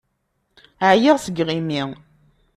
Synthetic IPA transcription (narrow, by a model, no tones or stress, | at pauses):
ʕjɪʁsəɡʁimi